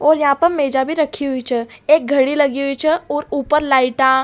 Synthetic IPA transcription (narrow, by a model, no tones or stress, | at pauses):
ɔːɾjɐɦãpəɾmeːd͡ʒabʱiɾəkʰiɦuit͡ʃʰɛeːk̚ɡʱəɽiləɡiɦuit͡ʃʰɛoːɾuːpəɾlaːiʈa